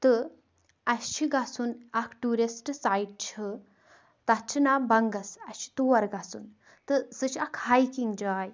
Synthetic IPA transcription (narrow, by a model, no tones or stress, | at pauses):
t̪ɨ | ɐɕt͡ʃʰiɡasunakʰʈuɾisʈsaiɖ̚t͡ʃʰɨ | t̪ɐt͡ʃʰinabɐŋɡɐsɐt͡ʃʰi̥t̪uʋɐɾɡasuːn | t̪ɨsət͡ʃʰiakʰhajkiŋɡd͡ʒaːj